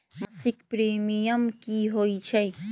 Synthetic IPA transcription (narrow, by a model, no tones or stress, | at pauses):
mɐsikpɾeːmijɐmkiɦoit͡ʃʰɐj